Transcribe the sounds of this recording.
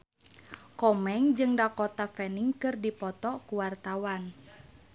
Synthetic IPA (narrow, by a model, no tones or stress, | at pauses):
kɔmɛŋd͡ʒɨŋdakɔt̪afɛniŋkɨrdipɔt̪ɔkuwart̪awan